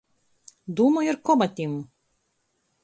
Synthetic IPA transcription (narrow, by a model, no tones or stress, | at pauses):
d̪umɔjeɾkobat̪ʲimu